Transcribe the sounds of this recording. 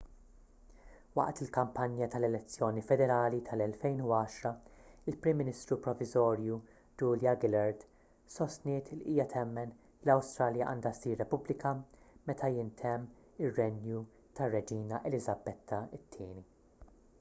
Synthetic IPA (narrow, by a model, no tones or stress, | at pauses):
wɐ̰ʔt̪ɪlkɐmpɐnjɐt̪ɐlɛlɛt͡sːjɔːnifɛd̪ɛɾɐːlit̪ʰɐlɛlfɛjnuɐːʃɾɐɪlpɾɪmːɪnɪst̪ɾupɾɔvɪzɔːɾju | d͡ʒuːljɐɡɪlɐɾt̪ | sɔst̪nɪːt̪liʔiːjɐt̪ʰɛmːɛn | lɐwst̪ɾɐːljɐʔɐ̰ːnd̪ɐsiːɾːɛpʊblɪkɐ | mɛt̪ʰɐjɪnt̪ʰɛmː | ɪrːɛnju | t̪ɐrːɛd͡ʒiːnɐʔɛlɪzɐbɛt̪ʰːɐɪt̪ʰːɪːni